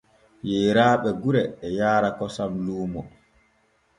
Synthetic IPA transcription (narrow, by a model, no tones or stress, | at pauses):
jɛːɾaːɓɛɡuɾɛːjaːɾakɔsamluːmɔ